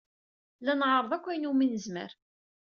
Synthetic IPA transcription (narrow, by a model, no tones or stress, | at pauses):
lænʕɾˤəðˤækʷːæjnuminəzmə̰ɾ